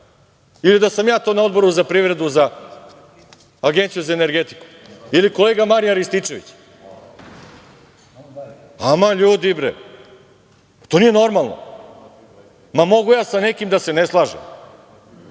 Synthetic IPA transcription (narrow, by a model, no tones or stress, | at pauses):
ilid̪asamjaːt̪o̞ːnao̞d̪̚bo̞ɾuzapɾiʋɾe̞d̪uza | ɡent̪sijuzaene̞ɾɡe̞t̪i̥ku̥ | iliko̞leːɡamaɾijaɾist̪it͡ʃe̞ʋḭt͡ɕ | amaʎuːd̪ibɾḛ | t̪onijeno̞ɾmalˠno̰ | mamo̞ɡujaːsanekimd̪ase̞neslˠaːʒḛm